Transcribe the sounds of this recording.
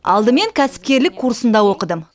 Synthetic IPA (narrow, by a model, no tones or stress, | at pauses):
ɑ̰lˠd̪əme̞ŋkʲʰæsɪ̥p̚kʲe̞ɾlɪkʰːuɾsənd̪ɑwo̞qəd̪əm